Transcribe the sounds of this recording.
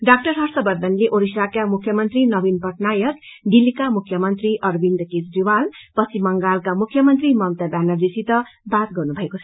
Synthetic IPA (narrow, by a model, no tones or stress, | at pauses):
ɖak̚ʈʌrɦʌrsʌbʌrd̪ʱʌnleʔoɾisakamukʰːjʌmʌnt̪rinʌbinpʌʈnajʌkd̪ilːikamukʰːjʌmʌnt̪riʔʌrbind̪ket͡sdiwalpʌt͡sʰimʌŋɡalkamukʰːjʌmʌnt̪rimʌmt̪abjanʌrd̪isit̪ʌbat̪ɡʌrnubʱʌekot͡sʰʌ